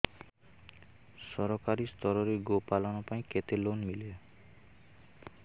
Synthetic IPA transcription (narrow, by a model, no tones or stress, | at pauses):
sɔɾɔkaɾist̪ʰɔɾɔɾeɡopalɔnɔpaĩket̪elonmile